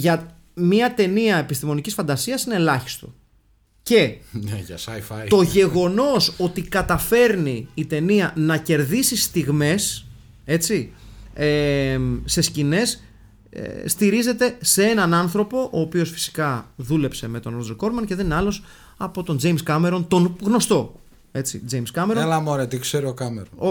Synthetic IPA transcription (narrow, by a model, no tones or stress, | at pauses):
ʝɐ | miɐt̪e̞niɐe̞pist̪imo̞nicisfɐnd̪ɐsiɐsine̞lɐçi̥st̪o̞̰ | ce̞ | ft̪o̞ʝe̞ɣo̞no̞so̞t̪ikɐt̪ɐfe̞ɾniːt̪e̞niɐnɐce̞ɾðisist̪iɣme̞s | e̞t͡sie | se̞scine̞s | st̪iɾize̞t̪e̞se̞e̞nɐnɐnθɾo̞po̞ʔoːpio̞sfi̥si̥kɐðule̞pse̞me̞t̪onɾod͡zoko̞ɾmɐnce̞ðenineɐlo̞s | ɐpo̞t̪o̞nd͡ze̞jmskɐme̞ɾo̞nt̪o̞nɣno̞st̪o̞ | e̞t͡sḭd͡zejmskɐmeɾolɐmoɾet̪ikseɾiokɐmḛɾo